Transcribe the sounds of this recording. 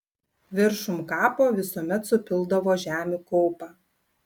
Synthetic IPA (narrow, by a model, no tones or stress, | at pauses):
ʋʲɪɾʃʊmkɑːpoːʋʲɪsuɔmʲɛt̪sʊpʲɪlˠˑd̪ɐʋoːʒʲæːmʲukɔʊpɑː